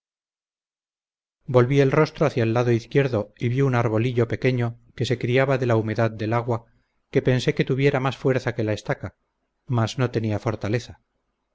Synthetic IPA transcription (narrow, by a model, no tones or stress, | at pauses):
bo̞lβie̞lro̞st̪ɾoaθjaelːaðo̞iθkjeɾðo̞iβjiunaɾβo̞liʎo̞pe̞ke̞ɲo̞ke̞se̞kɾiaβaðe̞laume̞ðaðd̪e̞laɣwa | ke̞pe̞nse̞ke̞t̪uβje̞ɾamasfwe̞ɾθake̞laest̪aka | mazno̞t̪e̞niafo̞ɾt̪ale̞θa